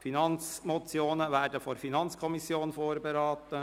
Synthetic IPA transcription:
finɑnt͡smɔt͡sjoːnəʋæːɾdəfɔɾfinɑnt͡skʰɔmisjoːnfoːɾbeɾɑːt̪ə

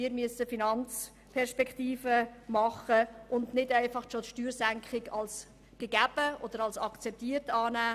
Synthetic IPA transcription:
mɪːɾmyəsəfinɑnt͡s | pʰɛɾʃpɛktiːfəmɑχəʔʊndnɪdɛɪfɑχʃotʃtyːɾsæŋkχɪɡɑls | ɡ̥əɡ̥æb̥əɔd̥̪əɾɑlsɑkt͡sɛp̚tiːəɾtɑːnæː

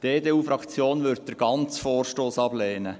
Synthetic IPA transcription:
d̥eːdeːuːfɾɑkt͡sjoːnʋʏɾt̚d̥̪əɾɡ̥ɑnt͡sfɔːrʃtoːsɑbleːnə

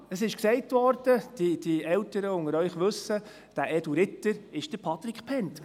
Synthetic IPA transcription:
əsɪʃksɛɪtvɔɾd̥əd̥id̥iɛltəɾəʊŋəɾœʏχʋɵsə | d̥æʔɛduɾɪtːəɾɪʃd̥əɾpʰɑt̪ɾikχpʰɛnt

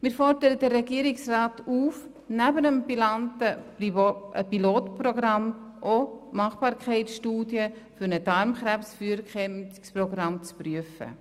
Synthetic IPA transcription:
mɪːɾfɔɾd̥əɾədərːɛɡiəɾɪksraːtuːf | næbənəmpilɑntə | piloːtpɾɔɡɾɑmʔomɑχb̥ɑːɾkʰχɛɪtsʃtuːdjəfʏɾnəd̥ɑɾmχɾæpsfyːəɾkχɛmsprɔɡɾɑmt͡spryəfə̰

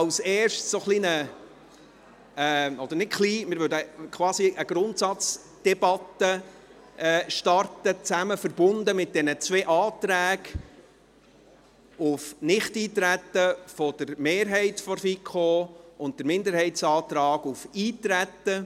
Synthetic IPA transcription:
ɑwsɛːrʃtsoχlinə | ɔd̥̪əɾnɪtχliːmɪɾʋʏːdəkʰwɑːsiʔəɡ̥ɾʊnt̪sɑt͡s | d̥ɛb̥ɑt̪ə | ʔɛːʃtɑrtət͡sæməfəɾbʊndəmɪt̚d̥ɛnət͡sʋeːʔɑːt̪ɾæːɡ | ʊfnɪχtiːt̪ɾæt̪ːəfɔd̥əɾmeːɾɦɛɪtfɔɾfikʰoʊnt̚d̥əɾmɪnd̪əɾɦhɛɪtsɑːt̪ɾɑːɡufiːtɾætːə

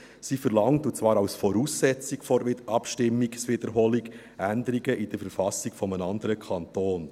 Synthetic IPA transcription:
sifəɾlɑŋtut͡svɑːɾawsfɔɾuːsːɛt͡sikfɔʔɑpʃtɪmːiɡsʋɪd̥̪əɾɦɔːliɡ | ænd̪əɾiɡəʔid̥əɾfəɾfɑsiɡ̥fɔmənɑnd̪əɾəkʰɑntoːn

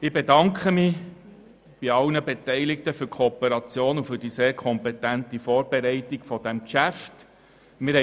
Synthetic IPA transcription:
ɪbɛdɑŋkχəmɪ | b̥iɑlnəbɛtɛɪlɪk̚təfʏɾkʰoːpəɾɑt͡sjoːnufʏɾd̥iseːɾkʰɔmpɛtæntifɔːɾbɛɾɛɪtɪɡfɔd̥ɛmkʃæft | mɪɾhɛ

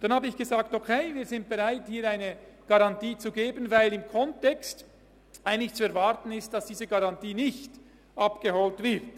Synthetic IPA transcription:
d̥anhaːbəɪçɡ̥əzaːk̚tokʰeɪviːzɪnt̚b̥ɛʁaɪthiːɾaɪnəɡ̥aʁɑntiːt͡suɡeːbənvaɪlɪmkʰɔntɛkst | ʔaɪənlɪçt͡suɛæɐɾvɑʁtən̩ɪstd̥ɑsd̥iːzəɡaʁɑntiːnɪçt | ʔɑpɡ̥əhɔltv̥ɪʁt

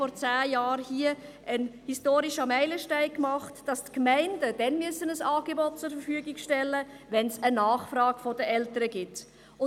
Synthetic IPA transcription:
ɔɾt͡saːjɑːɾhiə | ənhistoːɾiʃəmæɪləʃtæɪkmɑχtd̥ɑstkmæɪndədɛnmyəsənəsɑːɡebɔt̚t͡sʊɾfəfyːəɡɪkʃtɛlːə | ʋɛnsənɑːχfrɑːɡfɔdəʔɛltəɾəɡɪt | ʊ

